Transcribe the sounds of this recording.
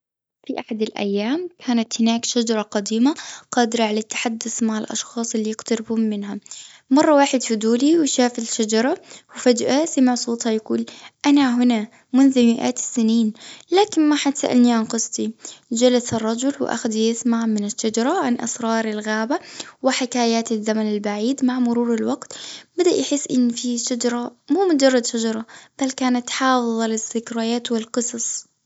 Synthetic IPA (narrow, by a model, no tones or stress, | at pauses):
fiʔaħad̪alʔa̰jːaːmkʰaːnat̪hɪnaːkʃad͡ʒɑɾˤɑqɑd̪iːmaqɑːd̪ɪɾɑʕalat̪ːḁħad̪ːʊθmaʕɪlʔɑ̰ʃxɑːsˤɪlːijɪqt̪ɑɾɪbhʊmːɪnɦa | mɑrˤːɑwaːħɪd̪fid̪uːliwɪʃaːfɪlʃad͡ʒɑɾˤɑwɪfad͡ʒʔasamɑʕsˤuːt̪ˤhɑjaɡuːlʔanaɦʊna | mʊnðʊmɪʔa̰ːt̪sːɪniːnlaːkɪnmaħat̪sa̰ʔa̰lniʕanqɨsˤt̪ˤid͡ʒalasɑrˤːɑd͡ʒʊlwɪ̰ʔa̰xad̪jasmaʕmɪnɪʃːad͡ʒɑɾˤɑʕanʔɑ̰sɾˤɑːɾˤɪlɣaːbawɪħɪkaːjaːt̪azːamanalbaʕiːd̪maʕmʊɾuːɾɪlwaɡt̪bad̪aʔjħɪsːʔɪnːfiʃad͡ʒɑɾˤɑmuːmʊd͡ʒɑrˤːɑd̪ʃad͡ʒɑɾˤɑb̥alkaːnat̪ħɑːfɨðˤɑlɪsːɪkɾaːjaːt̪wɪlqɨsˤɑsˤ